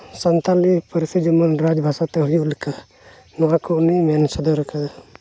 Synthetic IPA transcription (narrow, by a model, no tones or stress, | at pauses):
sənt̪alipəɾsid͡ʒəmənɾad͡ʒbʱasat̪ɛɦujulkʰa | nɔãkʰɔnimansɔd̪ɔɾɛkʰa